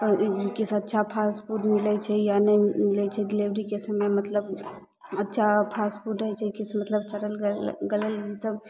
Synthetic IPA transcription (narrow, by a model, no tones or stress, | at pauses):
kɪsɐtːʃʰapʰaːspuʈmɪlɛt͡ʃʰɛjanɐimɪlɛt͡ʃʰɛɖɪliʋɾikesɐməjmɐt̪ləb | ɐtːʃʰapʰaːspuʈəɦɛt͡ʃʰkɪsmɐt̪ləbsɐɾəlɡɐləljisəb